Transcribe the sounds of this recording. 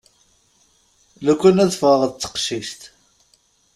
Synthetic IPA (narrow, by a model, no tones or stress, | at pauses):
lækʷːænæðfʁəʁt͡sːə̥qʃist̪